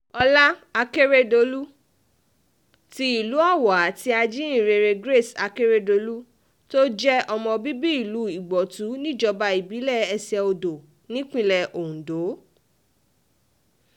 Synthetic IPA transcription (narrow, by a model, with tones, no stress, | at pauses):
ɔ˧la˦a˧ke˦ɾe˦do˨˦lu˦ | ti˦i˨lu˨˦a˦˨wa˨˦ti˦a˧d͡ʒi˦ĩ˦˨ɾe˧ɾe˧ɡɾe˦˨sa˧ke˦ɾe˦do˧˦lu˦ | to˦d͡ʒɛ˦ɔ˧mɔ̃˧bi˦bi˦i˦˨lu˨˦i˦˨ɡ͡bɔ˨tu˨˦nĩ˦˨d͡ʒɔ˧ba˧i˨bi˨˦lɛ˦˨ɛ˧sɛ˧o˧do˨ | nĩ˦k͡pĩ˦lɛ˨ʔo˨ũ˨do˨˦